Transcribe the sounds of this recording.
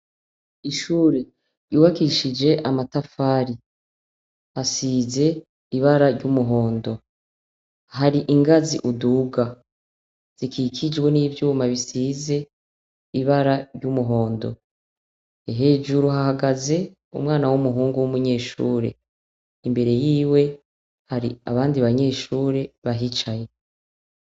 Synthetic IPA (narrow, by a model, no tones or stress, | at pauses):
iʃuːɾe̞ | ɾjuːβakiʃid͡ʒe̞ʔamatafaːɾi | hasiːze̞ | iβaɾaɾɟumuɦo̞ːndo̞ | haɾiʔiŋɡaziʔuduːɡa | z̥ikʰikʰid͡ʒɡwe̞niːvjuːmaβisiːze̞ | iβaɾaɾɟumuɦo̞ːndo̞̰ | eɦe̞ːd͡ʒuɾuhahaɡaze̞ | ṵmŋaːnawumuɦuːŋɡuwumuɲe̞ːʃṵːɾe̞̰ | imbe̞ɾe̞jiːwe̞ | haɾḭaβaːndiβaɲe̞ːʃuːɾe̞βaɦit͡ʃaje̞